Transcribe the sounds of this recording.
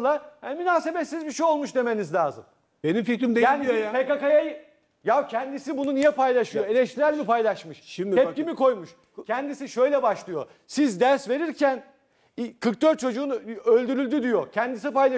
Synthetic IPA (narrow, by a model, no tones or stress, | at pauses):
lˠahæmynaːse̞bɛt̪sːizbiʃejo̞lˠmuʃd̪e̞me̞nizlʲaːzɯm | b̥enimfikɾimd̪ejaːnijapekakajaj | jawcʰɛnd̪isibununijɛpajlˠaʃɯjjo̞e̞lʲɛʃt̪ʰiɾælʲmipajlˠaʃmɯʃʃimd̪ʰɛp̚cimiko̞jmuʃ | cʰɛnd̪isiʃø̞jlʲɛbaʃlˠɯjo̞̰ | sizd̪æɾsve̞ɾiɾcʰæn | kʰɯɾk̚d̪øɾt̪̚t͡ʃʰo̞d͡ʒuːnølʲd̪yɾylʲd̪yd̪ijo̞cʰɛnd̪isipajlˠa